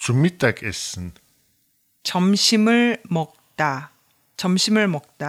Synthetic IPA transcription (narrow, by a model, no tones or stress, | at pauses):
t͡ɕumːit͈akesɯn | t͡ɕʌmɕʰimɯɭmʌk̚t͈a | t͡ɕʌmɕʰimɯɭmʌk̚t͈a